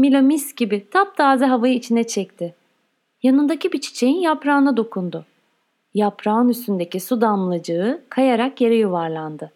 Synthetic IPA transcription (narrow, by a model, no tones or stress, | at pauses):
milʲomisɟibɪt̪ʰap̚t̪ʰaːzɛɦavajɯit͡ʃʰinɛt͡ʃʰɛc̚t̪ʰɪ | janɯnd̪acibit͡ʃʰi̥t͡ʃʰe̞jinjapɾaːnad̪o̞kʰund̪ʊ | japʰɾaɯnyst̪ynd̪e̞cisud̪anlˠad͡ʒɯɯkʰajaɾakje̞ɾɛjuvaɾlˠand̪ɯ